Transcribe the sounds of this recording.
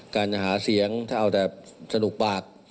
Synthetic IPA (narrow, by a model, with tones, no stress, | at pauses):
kaː˧na˨˩ɦaː˩˦si˩˦əŋt̪ʰaː˥˩ʔa˧˨˩t͡ɕ̪ɛː˨˩sa˧du˨˩k̚paː˨˩k̚